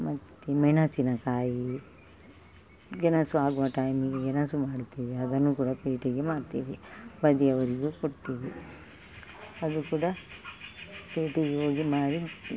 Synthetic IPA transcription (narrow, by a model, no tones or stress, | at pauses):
mɐt̪ːemɛɳɐsinɐkaːji | ɡenɐsuaːɡuʋɐʈaːjmiɡeɡenɐsumaːɽt̪iːʋiɐd̪ɐnːuːkuːɽɐpeːʈiɡemaːɖt̪iːʋibɐd̪iɐʋɐɾiɡukoɽt̪iːʋi | ɐd̪ukuːɽɐ | peːʈiɡeɦoːɡimaːɽi